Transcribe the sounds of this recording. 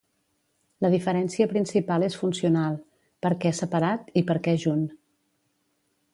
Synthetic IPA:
ləðifəɾɛnsiəpɾinsipalˠesfunsiunalˠ | pəɾkɛɛsəpəɾat̪ipəɾkɛʒun

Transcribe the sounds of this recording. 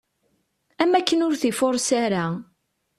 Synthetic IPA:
æmːækːənʊɾθifoɾˤsaɾa

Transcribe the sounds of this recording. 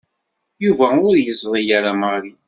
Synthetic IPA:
juvæʊɾjəzˤðˤijaɾaməʁɾi

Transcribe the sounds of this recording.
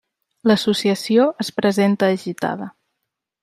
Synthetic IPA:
ləsusiəsioʔəspɾəzent̪əːʒit̪a̰ðə

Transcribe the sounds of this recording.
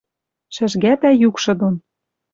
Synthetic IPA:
ʃɘ̆ʒɣæt̪æjukʃɤ̆d̪on

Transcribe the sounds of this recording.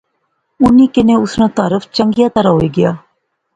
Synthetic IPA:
ʊnːiːkɪneːʊsnãːt̪aːɾəfʰt͡ʃəŋɡijaːt̪əɾaːɦoiːɡɪjaː

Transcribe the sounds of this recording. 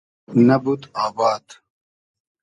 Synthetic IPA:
nɐbut̪aːbaːd̪

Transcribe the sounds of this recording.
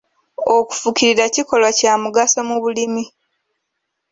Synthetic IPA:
oku̥fukiɾiɾaciko̞lwacaːmuɡasomuβulimi

